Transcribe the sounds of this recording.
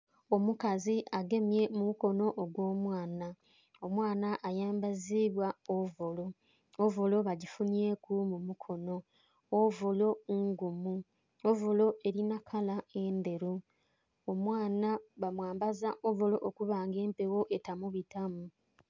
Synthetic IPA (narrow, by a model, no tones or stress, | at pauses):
o̞mukaziʔaɡe̞mje̞mumuko̞no̞ʔːɡwo̞ːmwaːna | omwaːnaʔajaːmbaziβwaovolo̞ | ovo̞lo̞βaɟifunje̞kumumukʰo̞no̞ː | volo̞ŋɡumu | ovolo̞e̞ɾinakʰalae̞nde̞ɾu | omwaːnaβamwaːmbazaʔovolo̞ʔokuβaːŋɡe̞ːmpe̞wo̞ʔe̞tamuβitamu